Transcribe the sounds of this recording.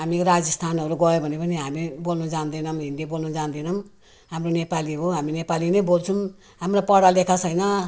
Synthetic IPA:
ɦamiɾad͡zʌst̪ʰanɦʌɾuɡʌjobʱʌnepʌniɦamibolnud͡zand̪ʌnʌmɦind̪ibolnud͡zand̪inʌm | ɦamronepaliɦoɦaminepalinʌjbolt͡sʰum | ɦamrapʌɽalekʰasʰʌjnʌ

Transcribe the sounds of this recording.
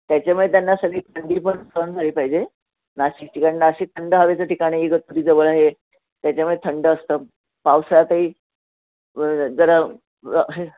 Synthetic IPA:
t̪jat͡ɕamuɭjet̪janːasəɡɭiːt̪ʰaɳɖiːpəɳsand͡zʱaɭiːpaɦid͡ʑe | naɕik̚t͡ɕikaninaəɕit̪ʰəɳɖəɦaʋet͡səʈʰikaɽ̃iːeɡət̪̚ːuɾiːd͡zəʋəɭaɦe | t̪jat͡ɕamiɭjet̪ʰəɳɖəːst̪əː | pawsjat̪əiː | d͡zəɾa | ɦ

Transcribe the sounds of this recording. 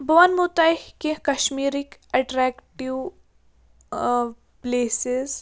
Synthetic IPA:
bɐʋɐnmut̪ajhkekɐʃmiːɾikɛʈɾɛːkʈiʋ | pleːsɪz

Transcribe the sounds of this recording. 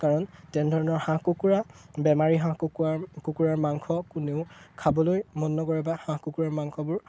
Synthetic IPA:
kaɹɔntɛndʱɔɹɔnɔɹhãkukuɹabɛmaɹiɦãkuakukuɹaɹmaŋkʰɔkuneʊkʰabɔlojmɔnːɔɡɔɹɛbahãkukuɹaɹmaŋkʰɔbʊɹ

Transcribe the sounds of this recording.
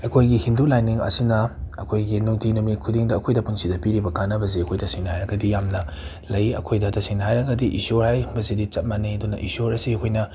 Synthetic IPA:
ekʰojɡihindulajniŋɐ̰sinɐɐkʰojɡinuŋtʰinumikʰudiŋdɐːkʰojdɐpunsidɐpiɾibɐkanɐbɐziɐkʰojtɐsiŋnhajɾɐɡɐdijamnɐ | lɐjɐ̰kʰojdɐtɐsiŋnhajɾɐɡɐdiʔisoɾhajbɐzidit͡ʃɐt̚maniɐdunɐʔḭsoɾɐsiɐkʰojnɐ

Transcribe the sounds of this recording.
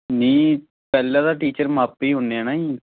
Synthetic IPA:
niː | pɛːlːãːd̪aːʈiːt͡ʃəɾmaːpːiːɦʊneaːnaːĩː

